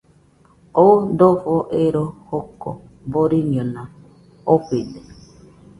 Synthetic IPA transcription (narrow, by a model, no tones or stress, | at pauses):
odofɔʔeɾohokɔ̰ | boɾiɲɔna | okʷede